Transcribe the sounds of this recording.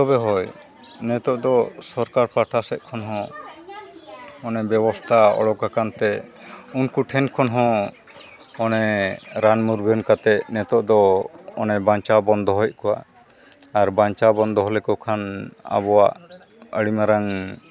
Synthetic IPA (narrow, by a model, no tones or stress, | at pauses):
ɔbɛɦɔj | nɛt̪ɔʔd̪ɔsɔɾkaɾpaʈʰasɛʔ̪̚kʰɔnɦɔ̃ | ɔnɛbjɛbɔst̪ʰaɔ̰ɽɔk̚kakant̪ɛunkuʈʰɛnkʰɔnɦɔ̃ | ɔnɛɾanmuɾɡʱənkat̪ɛʔnɛt̪ɔʔd̪ɔːnɛbaɲt͡ʃabɔnd̪ɔɦɔjʔ̚kɔwa̰ | aɾbaɲt͡ʃabɔnd̪ʱɔɦɔlɛkɔkʰana̰bɔwaʔ | əɽimaɾaŋ